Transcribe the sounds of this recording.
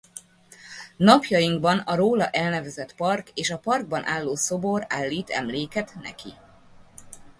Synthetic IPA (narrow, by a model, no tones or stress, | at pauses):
nɒpjɒjiŋɡbɒnɒɾoːlɒʔɛlnɛvɛzɛt̪pɒrkeːʃɒpɒrɡ̚bɒnʔaːlːoːso̞bo̞ɾaːlːiːt̪ɛ̰mleːkɛt̪nɛ̰kḭ